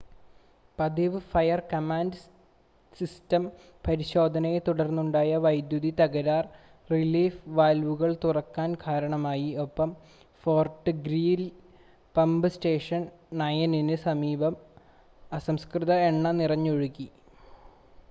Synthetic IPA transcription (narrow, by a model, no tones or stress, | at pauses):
pɐd̪iʋɨfɐjɐrkɐmaːnd | sistɐm | pɐɾiɕo̞ːd̪ʱɐnɐjet̪uɽɐrnːuɳɖaːjɐʋɐjd̪juðit̪ɐɣɐɾaːr | riliːfʋaːlʋuɣɐɭt̪urɐkːaːnkʰaːɾɐɳɐmaːjio̞pːɐm | fo̞ːrʈːɨɡɾiːl | pɐmbɨste̞ːʂɐnː | ɐjɐninɨsɐmiːbɐm | ɐsɐmskrɨðɐeɳːɐnirɐɲːoɻukːi